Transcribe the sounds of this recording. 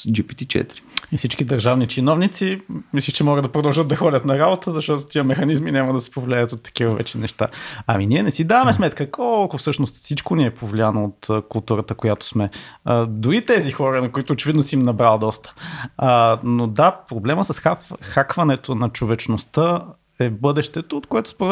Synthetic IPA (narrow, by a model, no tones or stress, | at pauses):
d͡ʒipi̥t̪it͡ʃɛ̰t̪iɾiifsit͡ʃkid̪ɐɾʒavnit͡ʃinɔvnit̪simislʲiʃt͡ʃɛmɔɡəd̪d̪ɐpɾod̪ɐlˠʒɤt̪̚d̪ɐxɔdʲət̪nɐɾabot̪ʰəzɐʃt̪ɔt̪ot̪iəmɛxɐnizminʲamɐd̪ɐsɛ̥povlʲɛət̪ot̪ːɐ̥k̟ivəvɛ̰t͡ʃɛnɛʃt̪a̰ɐ̰miniɛnɛsid̪avɐmɛsmɛt̪kəkɔlˠkʊfsɤʃnost̪sit͡ʃkoniɛpʰovlʲianoot̪kʊlˠt̪uɾət̪əkojat̪o̥smɛ | d̪uɾit̪ɛzixɔɾənɐkoit̪oːt͡ʃɛvid̪nosimnɐbɾalˠd̪ɔst̪ə̥ | nod̪apɾoblɛməsɐsxaxakvɐnɛt̪onɐt͡ʃovɛt͡ʃnost̪ə | ɛbɤd̪ɛʃt̪ɛt̪oot̪koɛt̪ʊ̥sp